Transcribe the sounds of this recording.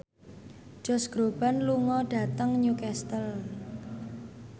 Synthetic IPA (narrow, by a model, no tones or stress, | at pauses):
d͡ʒ̥ɔsɡ̥ɾob̥a̤nluŋɔɖ̥a̤t̪əŋɲukɛst̪əl